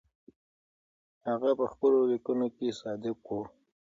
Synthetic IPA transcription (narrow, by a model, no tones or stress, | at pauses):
haɣapəxpəlolikunokesɑd̪ɪkwu